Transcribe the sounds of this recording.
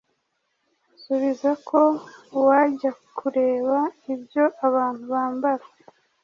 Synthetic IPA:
suβizakʰo̞waɟakʰuɾe̞ːβaibjo̞ʔaβaːn̥huβaːmbaɾe

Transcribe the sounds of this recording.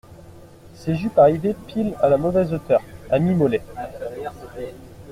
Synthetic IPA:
seʒypaʁivepʰilalamɔvɛzot̪œːʁamimɔlɛ

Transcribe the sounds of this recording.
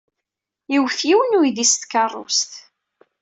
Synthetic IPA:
jiwθjiwənujd̪ist̪kɑrˤːʊ̰st̪

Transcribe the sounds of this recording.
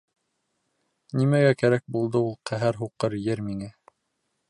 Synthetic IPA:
nimæɡækæɾæk̚bulˠd̪ɤulˠqæɦæɾɦuqɤɾjɘɾmiŋæ

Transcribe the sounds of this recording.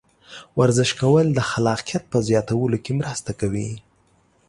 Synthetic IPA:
waɾzɪʃkawəld̪əxalɑqijat̪̚pəzjɑt̪awəlokemɾəst̪akawi

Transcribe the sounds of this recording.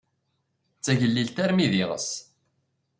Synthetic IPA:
t͡sːæʝəlːilt̪æɾmiðiʁə̰s

